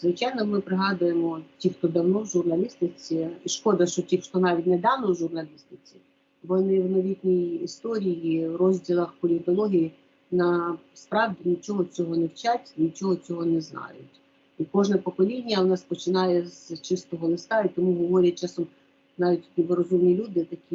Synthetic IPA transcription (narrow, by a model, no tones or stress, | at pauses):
zʋɪt͡ʃɑjnɔmɪpɾɪɦɑd̪ʊjemɔtʲixt̪ɔd̪ɐwnɔwʒʊrnɐlʲist̪ɪt͡sʲiiʃkɔd̪ɐʃt͡ʃɔtʲixt̪ɔnɑʋʲitʲnɛd̪ɑnɔwʒʊrnɐlʲist̪ɪt͡sʲi | ʋɔnɪwnɔʋʲit̪ʲnʲijist̪ɔɾʲijiʋrɔzʲdʲilˠɐxpɔlʲit̪ɔlˠɔɦʲiji | nɐspɾɑʋdʲinʲit͡ʃʲɔɦɔt͡sʲɔɦɔnɛwt͡ʃatʲnʲit͡ʃʲɔɦɔt͡sʲɔɦɔnɛznɑ̰jʊtʲ | ikɔʒnɛpɔkɔlʲidʲnʲːɐnɑspɔt͡ʃɪnɑjɛzt͡ʃɪst̪ɔɦɔlˠɪst̪ɑit̪ɔmuɦɔʋɔɾʲɐt͡ʃɑsɔm | nɑʋʲit̚ʲt̪ʲnʲibɔɾɔzumnʲilʲud̪ɪt̪ɐkʲi